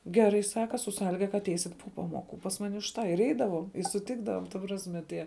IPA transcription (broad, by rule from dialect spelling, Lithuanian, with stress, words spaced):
ˈɡʲæːˌrɐɪ ˈsɑːkɐ sʊ ˈsɑːlʲɪɡɐ kɐ ɐtʲˈɛɪsʲɪt poː ˈpɑːˌmoːˌkʊ pɐs ˈmɑːnʲɪ ʊʃ ˈtɑː ɪr ˈɛɪdɐʋoːm ɪ sʊˈtʲɪɡdɐʋoːm tɐ ˈprɑːsʲmʲɛ ˈtʲiɛ